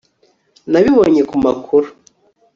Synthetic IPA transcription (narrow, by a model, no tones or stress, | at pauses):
naβiβoɲe̞kumakʰuɾu